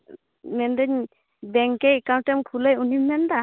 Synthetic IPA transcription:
mɛnd̪ɛɲ | bɛŋkɛkaw̃nʈɛmkʰuləjunimːɛnd̪a

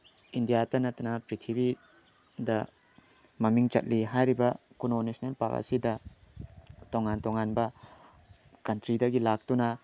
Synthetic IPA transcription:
indijatɐnɐtɐnɐpɾitʰibi | dɐ | mɐmiŋt͡ʃɐ̰t̚liɦajɾibɐ | kunonisnelpa̰ɡa̰sidɐ | toŋantoŋanbɐ | kɐntɾidɐɡilak̚tunɐ

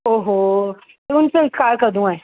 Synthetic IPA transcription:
oːɦo | t̪oʊnseɪskaːɾkɐɾd̪ũɛ̃ː

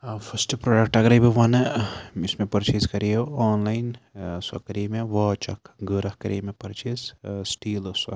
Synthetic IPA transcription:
fʰɐsʈpɾoːɖɐk̚ʈɐɡɾɐbiʋɐnismẽpɐɾt͡ʃiskɐɾioaːnlainsɐ̰kɐɾimẽʋɐːt͡ʃɐ̰kɡəɾɐhkɐɾḭːmẽpɐɾt͡ʃizsʈiːlɐsɐ̰

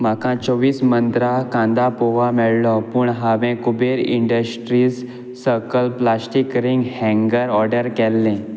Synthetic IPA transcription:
m̤akãt͡sɔʋiːsmənt̪ɾakãnd̪apoʋamɛɭlɔpuːɳɦaʋẽkubeɾḭɳɖəsʈɾiːsː | əɾkəlplasʈikɾiŋɡhɛ̃ŋɡəɾɔɾɖəɾkɛlːẽ

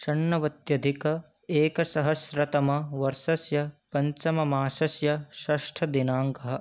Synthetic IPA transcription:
ʃɐɳːɐʋɐt̪jɐd̪ʱikɐ | eːkɐsɐɦɐsɾɐt̪ɐmɐʋɐɾʃɐsjɐpɐɲt͡ʃɐmɐmaːʃɐsjɐʃɐʂʈʰɐd̪inaːŋkɐɦɐ̆

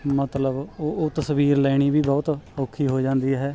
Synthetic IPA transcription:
mət̪ləboːʔoːt̪əsʋiːɾlɛːɽ̃iːbiːbɔːt̪oːkʰːiːɦoːd͡ʒãːnd̪iːɦɛː

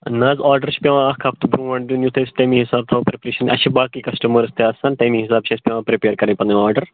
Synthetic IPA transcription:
naːzaːɾɖəɾt͡ʃʰi̥pʲeʋãɐkʰapt̪ʰubɾũːʋɐɳd̪junjut̪ʰeːsʈɐjmĩŋɦisaːb̚t̪ʰawpɾipɾeːʃɐnʔɐ̰ʃibaːkikɐsʈɐmɐɾɨst̪ʰeaːsaːnʈɐjmĩŋɦisaːbt͡ʃʰiɐsʲpʲẽʋãːpɾipeːɾkɐɾɐ̃jpɐnd̪ɐɔːɾɖəɾ

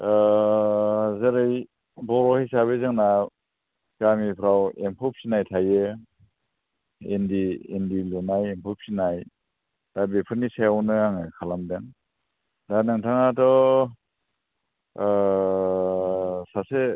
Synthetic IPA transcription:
zeɾɯj | bɔɾɔhejsaβezɯŋna | kamipʰɾawempʰɔp̚sinajtʰaje | endiendilunajempʰɔp̚sinaj | dabepʰɯnisajawnɯaŋɯkʰalamdeŋ | danɯŋtʰaŋatɔ | sase

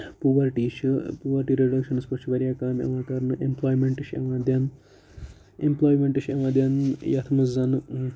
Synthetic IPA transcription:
puʋɐɾʈiːʃɨpuːʋɐɾʈiɾeɖɐkʃɐnɨspɐt͡ʃʰiʋɐɾjaːkaːɾnɐ̰ʋaːkaːɾnɨʔemploːjmeɳʈiʃɐ̰ʋaːd̪jaːn | emploːjmeɳʈiʃeʋaːd̪jaːnjɐt̪ʰɐmɐzɐnɨ

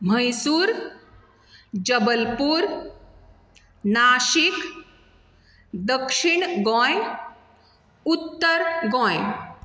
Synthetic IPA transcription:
m̤əjsuːɾ | d͡ʑəbəlpuɾ | naːʃik | d̪əkʂiɳɡɔ̃j | ut̪ːəɾɡɔ̃j

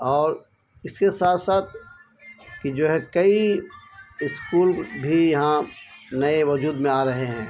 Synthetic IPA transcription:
ɔːɾ | ɪskesaːt̪ʰsaːt̪ʰ | kid͡ʒoːɦɛkɐi | ɪskuːlbʱijɐɦãnɐeʋɐd͡ʒuːd̪mẽaːɾɐɦeɦɛ̃ː

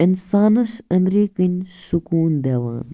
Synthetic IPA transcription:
insaːnɐsɐnd̪ɾiːkɨnʲsukuːnd̪eːʋa̰ːn

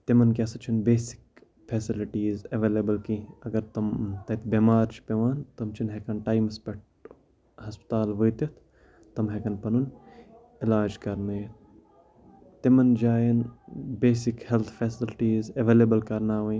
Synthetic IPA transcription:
t̪imɐnkʲesɐt͡ʃʰinbeːsi̥k | fʰeːsiliʈiːzɐʋeːlebɐlkĩɐɡɐɾt̪ɐmt̪ɐt̪ʰbemaːɾt͡ʃʰi̥pʲeʋaːnt̪ɐmt͡ʃʰinɦekɐnʈaːjmspɐʈ̚ | hɐspt̪aːlʋəːt̪it̪ʰ | t̪ɐmɦekɐnpɐnun | ilaːd͡ʒkɐɾmɐ | t̪imɐnd͡ʒaːjɐnbeːsikhelt̪ʰfʰesɪlʈiːzeʋeːlebɐlkɐɾnaːʋɐj

